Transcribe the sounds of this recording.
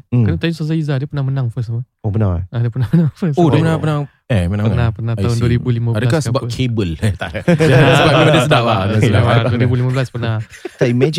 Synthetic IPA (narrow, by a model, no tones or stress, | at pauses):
kanət̪ajusazaizadəpənahmənãŋfəsmə | opənaŋaadəpənahmənãŋfəsodəpənapənaŋ | ɛmənãpənapənat̪aɦʊnduəɾibulimaadəkasəbapkʰebəlt̪aadaəbaimadisədaʔlasdaladduəɾibulimablaspənat̪aimɛd͡ʒ